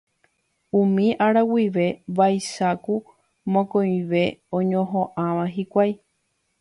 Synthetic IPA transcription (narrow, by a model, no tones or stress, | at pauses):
ũmĩʔaɾawiʋe̞ʋajʃaku | mõkõj̃ʋe̞õɲõɦõʔãʋãɦikʷaj